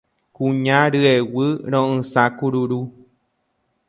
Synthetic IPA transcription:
kũɲãɾɨewɨɾ̃õʔɨ̃sakuɾuɾu

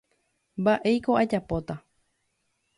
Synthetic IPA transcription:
mbaʔe̞jko̞ad͡ʒapo̞t̪a

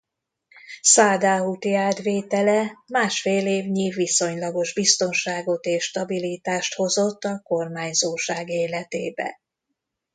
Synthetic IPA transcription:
saːd̪aːɦut̪iaːd̪ʋeːt̪ɛlɛmaːʃfeːleːvɲivːiso̞ɲlɒɡo̞ʒbist̪o̞nʃaːɡo̞t̪eːʃːt̪ɒbilit̪aːʃt̪ho̞zo̞t̪ːɒko̞rmaːɲzoːʃaːɡeːlɛt̪eːbɛ̰

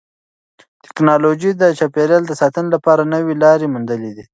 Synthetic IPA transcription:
t̪ɪ̥knɑlod͡ʒid̪ət͡ʃɑpeɾjɑld̪əsɑt̪ənelapɑɾanəwelɑɾemund̪əled̪i

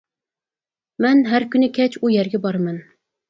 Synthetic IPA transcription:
mɛnɦæɾkʲynɪkʲʰɛt͡ʃʰujɛɾɡʲɛbɑɾmɛn

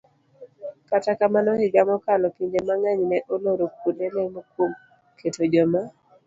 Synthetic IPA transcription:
katakamanɔhɪɡamɔkalɔpiɲd͡ʒemaŋaɲnɛʔoloɾok̚udɛlɛmokwom | kʰetod͡ʒɔma

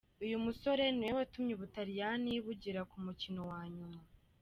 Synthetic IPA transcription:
ujumuso̞ɾe̞nuewatumɲiβutaɾijaniβuɟiɾakumucino̞waːɲuma

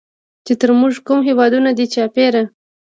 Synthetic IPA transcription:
t͡ʃet̪əɾmuʐkumɦewɑd̪unad̪it͡ʃɑpeɾa

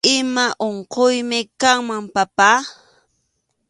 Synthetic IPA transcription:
ɪmaʔoɴqojmɪkaŋmampapa

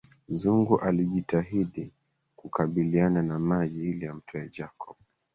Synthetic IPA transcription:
zuŋɡuʔaliʄitaɦiɗi | kukaɓiliananamaʄiilijam̩tʰɔjad͡ʒakʰɔɓ

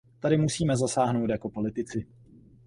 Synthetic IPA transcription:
t̪aɾɪmusiːmɛzasaːɦno̞wt̪jako̞po̞lɪt̪ɪt͡sɪ

